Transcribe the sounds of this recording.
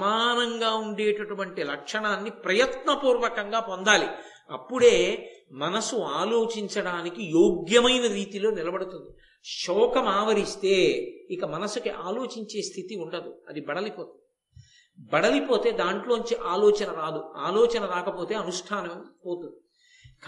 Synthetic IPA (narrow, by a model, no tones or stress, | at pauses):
ɐmaːnɐŋɡaːuɳɖeːʈɐʈuʋɐɳʈilɐkʂɐɳaːnːipɾɐjɐt̪nɐpuːɾʋɐkɐŋɡaːpo̞nd̪aːli | ɐ̰pːuɽe̞ːmɐnɐsuaːlo̞ːt͡ʃiɲt͡ʃɐɽaːnikijoːɡjɐmɐjnɐɾiːt̪ilo̞ːnilɐbɐɽut̪und̪i | ʃɔːkɐmaːʋɐɾist̪e̞ːikɐmɐnɐsukiʔaːlo̞ːt͡ʃiɲt͡ʃe̞ːst̪ʰit̪iuɳɖɐd̪uɐd̪ibɐɽɐlipoːt̪ | bɐɽɐlipo̞ːt̪e̞ːd̪aːɳʈlo̞ːɲt͡ʃiʔaːloːt͡ʃɐnɐɾaːd̪uaːloːt͡ʃɐnɐɾaːkɐpoːt̪e̞ːɐnuʂʈʰaːnɐmpoːt̪und̪i | k